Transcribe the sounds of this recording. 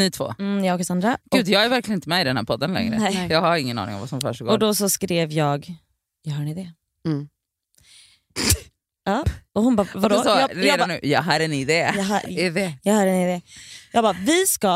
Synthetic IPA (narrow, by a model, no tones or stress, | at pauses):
niːt̪ʰvo̰ːjɑɔkasand̪ɾaɡ̥ʉ̟ːd̪jɑːɡæɾvæɾklɪənɪnt̪əmɛɪd̪ɛnhæːɾpʰɔd̪ːənlɛ̰ŋːɾə̰jɑːɡhaɾɪŋːənɑ̰nɪ̰ŋɔ̰mva̰sɔmfœ̰ʂɔɡoːɔd̪ɔsɔskɾeːvjɑːɡ | jɑɦœːɳɪd̪ɛ | ɑːɔhʊnbavad̪ɔsɔɾeːd̪ːʉ̟ːjɑːɦœɾɛnɪd̪ɛjɦɛdɛjɑːhœːɾɛnɪd̪ɛjɑ̰ːɡbɑvɪska